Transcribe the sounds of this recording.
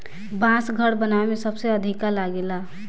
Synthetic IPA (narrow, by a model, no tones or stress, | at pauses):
bãːsɡʱəɽbənaemẽsəbseəd̪ʱikalaɡela